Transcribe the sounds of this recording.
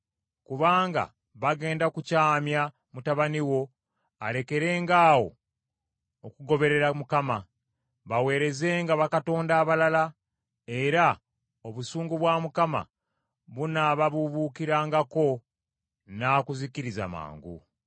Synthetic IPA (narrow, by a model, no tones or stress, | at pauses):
kuβaːŋɡa̰ | βaɡe̞ːndakucaːmja | mutaβaniwo̞ | aɾe̞ke̞ɾe̞ːŋɡaːwo̞̰ | okuɡo̞βe̞ɾe̞ɾamukama | βawe̞ːɾe̞ze̞ːŋɡaβakato̞ːndaːβalala | e̞ɾa | o̞βusuːŋɡuβwamukama̰ | βunaβaβuβukiɾaːŋɡako̞ | naːkuziciɾiza̰ma̰ːŋɡṵ